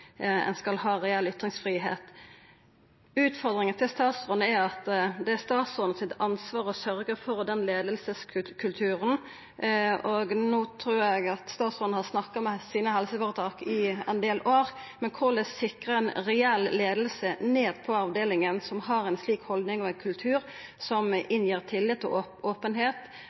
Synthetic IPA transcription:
ɛ̰nskɑlhɑːɾɛɛlʏt̪ʁɪŋsfʁiːɦḛːt̪ | ʉːt̪fɔʁd̪ʁɪŋənt̪ʰɪlst̪ɑːt̪sɔnəæɾɑt̪d̪ɛæst̪ɑːt̪sɔn̩sɪt̪ɑnsʋɑːʁɔsœʁɡəfɔɾd̪ɛnleːd̪əlsəskʰkʰʉlt̪ʰʉːɾən | ɔɡnuːt̪ʰɾuːɾɛɡɑt̪st̪ɑːt̪sʁɔnhɑsnɑkːɑmɛsiːnəhɛlsəfoːʁət̪ʰɑːkɪɛ̰nd̪eːloːɾ | mɛnkʰʊʁlɛsɪkʁəɛnɾɛɛlleːd̪əlsəneːd̪pʰɔɑʋd̪eːlɪŋənsɔmɦɑɾɛɪnsliːkhɔld̪nɪŋɔɛɪnkʰʉlt̪ʰʉːɾ | sɔmɪnjiːʁt̪ʰɪlːɪt̪ːɔoʔoːpənɦeːt̪

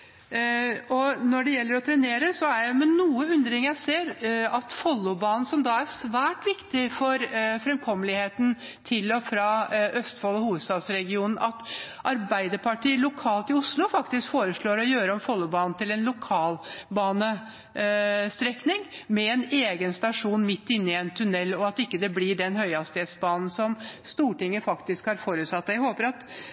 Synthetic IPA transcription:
ɔnɔɖɛjɛlːəɾɔt̪ʰɾɛneːɾəsɔæɾjæɪmɛnuːəʉnd̪ɾɪŋjæɪseːɾɑt̪fɔlːʊbɑːnn̩sɔmd̪ɑːæʂʋæːʈʋɪkt̪ɪfɔɾfɾɛmkʰɔmːəlɪheːt̪n̩ | t̪ʰɪlɔfɾɑʔœst̪fɔːlɔhuːʋəst̪ɑːd̪sɾɛɡɪuːnn̩ʔɑt̪ | ʔɑɾbæɪd̪əpʰɑʈiːlʊkʰɑːlt̪ɪʊslʊfɑkt̪ɪskfoːɾəʂɭoːɾɔjøːɾəɔmfɔlːʊbɑːnn̩t̪ɪlɛnlʊkʰɑːlbɑːnə | st̪ɾɛknɪŋmɛɛneːɡənst̪ɑʂuːnmɪt̪ːɪnːɪɛnt̪ʰʉnɛlːɔɑt̪ɪkːəd̪ɛblɪɖɛnhœʏɑst̪eːd̪sbɑːnn̩sɔmst̪uːʈɪŋːəfɑkt̪ɪskhɑɾfoːɾʉːt̪sɑt̪ːjæhoːpəɾɑt̪

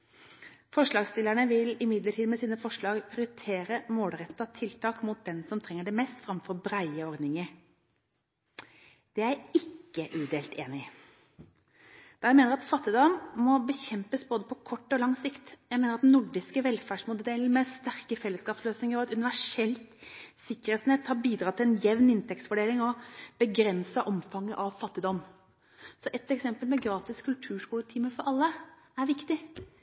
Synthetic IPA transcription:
fɔʂɭɑːɡst̪ɪlːæɳəʋɪlɪmɪd̪ləʈʰiːd̪mɛsiːnəfɔʂɭɑːɡpʰɪɾɪt̪ʰeːɾəmoːlɾɛt̪ːɑt̪ʰɪlt̪ʰɑːkmʊt̪̚d̪ɛnsɔmt̪ʰɾɛŋːəɖɛmɛst̪fɾɑmfɔɾbɾæɪəɔɾd̪nɪŋəɾ | d̪̥ɛæɪɪkːəʔʉːd̪eːlt̪eːnɪ | d̪̥ɑːjæɪmeːnəɾɑt̪fɑt̪ːɪd̪ɑːmmɔbəçɛmpəsboːd̪əpʰɔkʰɔʈːɔlɑŋsɪkt̪jæɪmeːnəɾɑt̪nnʊɖɪskəʋɛlfæʂmuːd̪d̪eːlɪmɛst̪æɾkəfɛlːəskɑːpsløːsnɪŋəɾɔɑt̪ʉnɪʋæʂɛlt̪sɪkːəɾeːt̪sn̩eːt̪hɑːɾbiːd̪ɾɑːt̪ʰɪlɛnjɛʋnɪnt̪ʰɛkt̪sfɔɖeːlɪŋɔb̥əɡɾɛnsɑʔɔmfɑŋːəʔɑʋfɑt̪ːɪd̪ɔm | sɔʔɛt̪ːɛksɛmpəlmɛɡɾɑːt̪ɪskʰʉlt̪ʰʉːʂkuːlt̪ʰiːməfɔɾʔɑlːə | æɾʋɪkt̪ɪ

